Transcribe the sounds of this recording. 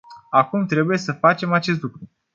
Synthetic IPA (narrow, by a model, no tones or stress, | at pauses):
akumt̪ɾe̞buje̞səfat͡ʃe̞mat͡ʃe̞s̬t̪lukɾu